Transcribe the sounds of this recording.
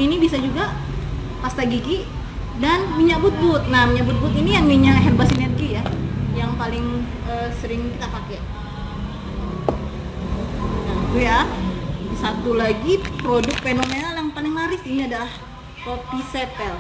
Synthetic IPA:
inibisad͡ʒuɡa | past̪aɡiɡi | danmiɲaʔbʊt̪̚bʊt̪̚namiɲaʔbʊt̪̚bʊt̪inijaŋmiɲakɦɛrbasinɛrɡijajaŋpalɪŋ | əsəɾɪŋkit̪aʔpakɛʔ | auja | sat̪ulaɡipɾodʊk̚t̪̚fenomenaljaŋpalɪŋnaɾɪsiniadalah | kopisepɛl

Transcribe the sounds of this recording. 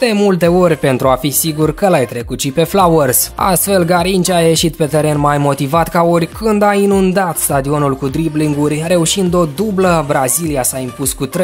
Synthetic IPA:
d̪̥e̞mult̪e̞o̞rʲpe̞nt̪ɾuafisiɡurkəlajt̪ɾe̞kut̪ʃipe̞flawərsa̰st̪fe̞lɡaɾint͡ʃaje̞ʃit̪pe̞t̪e̞ɾe̞nmajmo̞t̪ivat̪kaorʲkɨnd̪ainund̪at̪st̪ad̪io̞nulkud̪ɾibliŋɡurʲre̞uʃind̪o̞d̪ubləbɾaziliasaimpuskut̪ɾ

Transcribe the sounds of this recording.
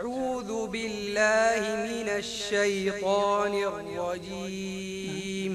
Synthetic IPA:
ʕuːðʊbɪlːaːhɪmɪnaʃːajt̪ˤaːnɪrˤːɑd͡ʒiː | m

